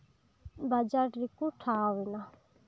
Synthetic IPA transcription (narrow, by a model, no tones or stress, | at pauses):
bad͡ʒaɾɾikuʈʰaːwina